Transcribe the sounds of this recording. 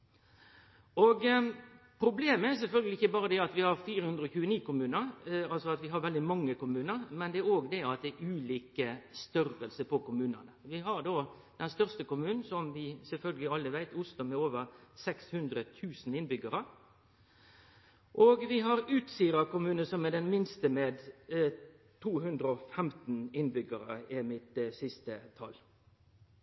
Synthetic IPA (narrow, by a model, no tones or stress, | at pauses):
ɔɡ | pʰɾʊbleːməæɾs̬ɛlfœlɡəlɪɪçəbɑːɾəd̪ɛɑt̪ʋɪhɑɾfiːɾəhʉnd̪ɾəɔçʉːəniːkʊmʉːnəɾɑlsɔɑt̪ʋɪɦɑɾʋɛld̪ɪmɑŋːəkʊmʉːnəɾmɛnd̪ɛæɾoːɡd̪ɛɑt̪̚d̪ɛʉːliːkəst̪œɾəlsəpɔkʊmʉːnə̰nəʋɪɦɑɾd̪oː | d̪̥ɛnst̪œʁst̪əkʊmʉːnn̩sɔmʋɪsɛlfœlɡəlɪɑlːəʋæɪt̪ʊslʊmɛoːʋəɾsɛkshʉnd̪ɾət̪ʰʉːsn̩ɪnbʏɡəɾə | ʔoːɡʋɪɦɑɾʉːt̪siːɾəkʊmʉːnəsɔmɛd̪ɛnmɪnst̪əmeːd̪ | t̪ʰuːɦʉnd̪ɾəɔfɛmt̪n̩ɪnbʏɡəɾəɪmɪt̪sɪst̪ət̪ʰɑ̰l